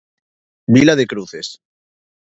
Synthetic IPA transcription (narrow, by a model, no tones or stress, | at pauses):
bilaðekɾuθes